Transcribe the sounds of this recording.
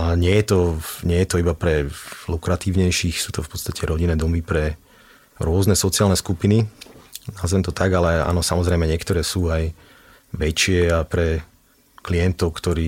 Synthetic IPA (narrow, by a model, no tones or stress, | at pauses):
aɲɪɛjɛt̪ɔɲɪɛjɛt̪ɔibapɾɛlukɾat̪iːʊɲɛjʃixsuːt̪ɔfpɔ̥t̪st̪acʰɛɾɔɟinɛːd̪ɔmipɾɛ | ɾʊɔznɛsɔtt͡siaːlnɛskupininaːzɛmt̪ɔt̪aɡalɛa̰ːnɔsamɔzɾɛɪmɛɲɪɛkt̪ɔɾɛːsuːaj | ʋɛt͡ʃɪɛapɾɛ | kliɛnt̪ɔʊkt̪ɔɾiː